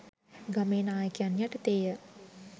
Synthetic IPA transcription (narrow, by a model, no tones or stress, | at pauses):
ɡameːnaːjəkjanjaʈət̪eːjə